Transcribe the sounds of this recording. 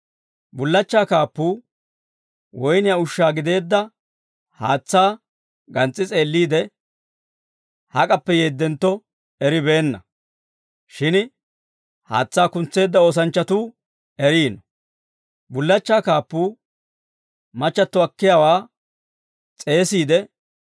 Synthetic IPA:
bʊlːɐt͡ʃːaːkaːpːuː | wɔjnɪjaʊʃːaːɡɪd̪e̞ːd̪ːɐ | ha̰ːt͡sːaː | ɡɐnt͡sʼːɪt͡sʼe̞ːlːiːd̪ɛ | hɐkʼɐpːɛjeːd̪ːɛnt̪ːɔ | ɛɾɪbe̞ːnːɐ | ʃɪn | ha̰ːt͡sːaːkʊnt͡sːe̞ːd̪ːɐo̞ːs̬ɐnt͡ʃːɐt̪uː | ɛɾiːnɔ | bʊlːɐt͡ʃːaːkaːpːuː | mɐt͡ʃːɐt̪ːɔɐkːɪjawaː | t͡sʼe̞ːsiːd̪ɛ

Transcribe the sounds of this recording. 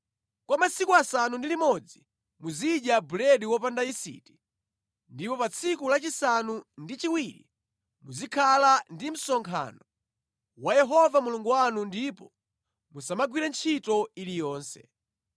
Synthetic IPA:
kwamasikuasanundilimɔd͡zi | muziɗjabulɛɗiwɔpandaisḭti̥ | ndipɔpat͡sʰikulat͡ʃisanundit͡ʃiwiɾḭ | muzikʰalandim̩sɔŋkʰa̰ːnɔ | wajɛɦɔvamuluŋɡuwanundipɔ | musamaɡwiɾɛnt͡ʃʰitɔilijɔːnsɛ̰

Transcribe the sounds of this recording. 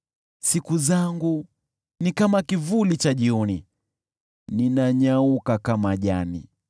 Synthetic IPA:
sikuzaŋɡu | nikamakivulit͡ʃaʄiɔni | ninaɲaukakamaʄanḭ

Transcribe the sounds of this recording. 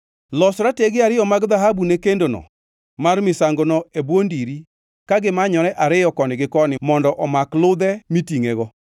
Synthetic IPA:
lɔsɾateɡɪaɾɪjɔmaɡðaɦabunekendonɔ̰ | marmɪsaŋɡonɔebwondiɾi | kaɡɪmaɲɔɾɛʔaɾɪjɔkɔnɪɡɪkɔnɪmɔndɔʔɔmaklʊd̪ɛmitiŋeɣɔ

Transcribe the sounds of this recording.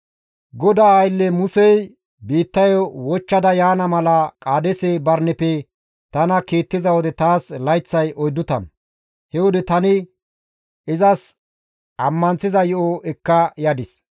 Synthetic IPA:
ɡɔd̪aːjlːɛmʊsɛj | biːt̪ːɐjɔwɔt͡ʃːɐd̪ɐjaːnɐmɐlɐkʼaːd̪ɛsebɐɾnɛpɛ | t̪ɐnɐkiːt̪ːɪzɐwɔd̪ɛt̪aːslɐjt͡sːɐjʔɔjd̪ːʊt̪ɐ̰n | hɛwɔd̪ɛt̪ɐnɪ | ɪzɐs | ɐmːɐnt͡sɪzɐjɔʔɔɛkːɐjad̪ɪs

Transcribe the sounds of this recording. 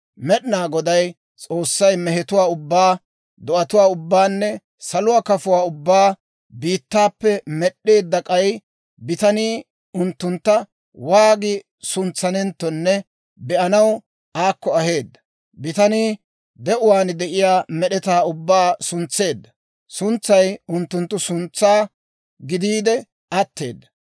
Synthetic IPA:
mɛɗɪnaːɡɔd̪ɐj | t͡sʼo̞ːsːɐjmɛɦɛt̪ʊwaːʊbːaː | d̪ɔʔɐt̪ʊwaːʊbːaːnːɛ | sɐlʊwaːkɐfʊwaːʊbːaː | biːt̪ːaːpːɛmɛɗːe̞ːd̪ːɐkʼɐj | bɪt̪ɐniː | ʊnt̪ːʊnt̪ːɐ | waːɡɪ | sʊnt͡sːɐnɛnt̪ːɔnːɛ | bɛʔɐnɐw | ʔaːkːɔɐhe̞ːd̪ːɐ̥ | bɪt̪ɐniː | d̪ɛʔʊwaːnd̪ɛʔɪjaːmɛɗɛt̪aːʊbːaːsʊnt͡sːe̞ːd̪ːɐ | sʊnt͡sːɐjʊnt̪ːʊnt̪ːʊsʊnt͡sːaː | ɡɪd̪iːd̪ɛ | ɐt̪ːe̞̰ːd̪ːɐ

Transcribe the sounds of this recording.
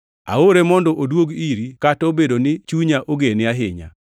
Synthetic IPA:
a̰oɾemɔndɔʔodwoɡiɾikatobedonɪt͡ʃuɲaʔoɡenɪaɦɪɲa̰

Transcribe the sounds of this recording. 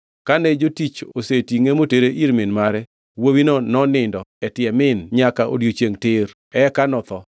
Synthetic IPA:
kanɛd͡ʒotit͡ʃosetiŋemoteɾeʔiɾmɪnmaɾɛ | wowinɔnɔnɪndɔɛtɪjɛmɪnɲakaʔo̰djot͡ʃeŋtɪr | ɛkanɔt̪ɔ

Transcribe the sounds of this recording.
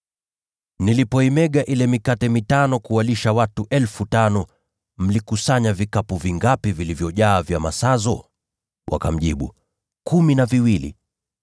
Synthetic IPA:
nilipɔimɛɠaʔilɛmikatɛmitanɔkuwaliʃawatuʔɛlfutanɔ | m̩likusaɲavikapuviŋɡapivilivjɔʄaːvjamasazɔ̰ | wʔa̰ka̰m̩ʄiɓṵ | kuminaviwilḭ

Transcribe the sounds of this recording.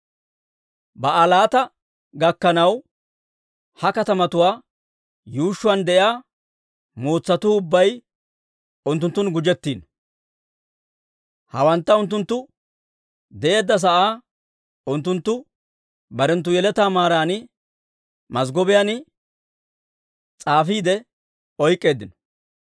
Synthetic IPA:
bɐʔɐlaːt̪ɐ | ɡɐkːɐnɐw | hɐkɐt̪ɐmɐt̪ʊwaː | juːʃːʊɐnd̪ɛʔjaː | moːt͡sːɐt̪ʊːʊbːɐj | ʊnt̪ːʊnt̪ːʊnɡʊd͡ʒɛt̪ːiːn | hɐwɐnt̪ːɐʊnt̪ːʊnt̪ːʊ | d̪ɛʔe̞ːd̪ːɐs̬ɐʔaː | ʊnt̪ːʊnt̪ːʊ | bɐɾɛnt̪ːʊjɛlɛt̪aːmaːɾaːnɪ | mɐsɡɔbɪjanɪ | t͡sʼaːfiːd̪ɛ | ɔjkʼːe̞ːd̪ɪnɔ̥

